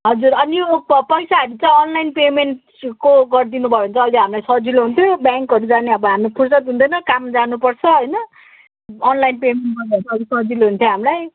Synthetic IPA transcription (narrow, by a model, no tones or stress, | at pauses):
ɦʌd͡zurʌnibpʌjsaʌɾut͡sãj̃ʌnlajnpemenʈ | koɡʌrd̪inubʱʌeunt͡sʰʌːliɦamilajsʌd͡ziloɦunt̪ʰjobjaŋkɦʌɾud͡zaneʌbʌɦamepʰursʌt̪ɦund̪ʌjnʌkamd͡zanupʌrt͡sʰʌɦʌjnʌ | ʌnlajnpemenʈ̚ɡʌbnt͡sʰʌlisʌd͡ziloɦunt̪ʰjoɦamlaj